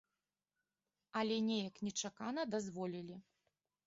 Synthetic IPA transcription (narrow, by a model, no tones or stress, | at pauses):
ɐlʲɛnʲɛjɐknʲɛt͡ʂakanɐd̪azvɔlʲilʲi